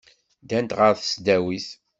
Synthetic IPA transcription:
d̪ænt̪ʁəɾθə̥sd̪æwiθ

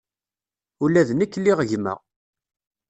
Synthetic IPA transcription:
ulæðnəkːlːiʁəʝmə̰ʁ

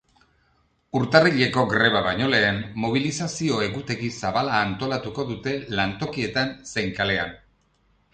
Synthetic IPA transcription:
uɾt̪ariʎe̞ko̞ɡɾe̞β̞aβaɲo̞le̞ːmːo̞β̞ilisasio̞e̞ɣut̪e̞ɣisaβalaːnt̪o̞lat̪uko̞ðut̪e̞lant̪o̞kie̞t̪ansejŋkale̞an

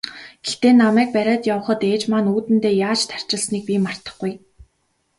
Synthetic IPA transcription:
ɡ̥ext̪eːnamæːk̚pæɾʲaːt̪jawə̆χə̆t̪eːt͡ɕmanuːt̪ɘ̆nt̪eːjaːt͡ɕt̪ʰḁr̥t͡ɕɪ̆ɮsniːk̚pʲiːmar̥t̪ə̥̆χɡuj

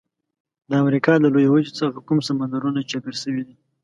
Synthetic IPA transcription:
d̪əamɾikɑd̪əlojawad͡ʒit͡saxakumsamand̪aɾunat͡ʃapiɾʃəwid̪i

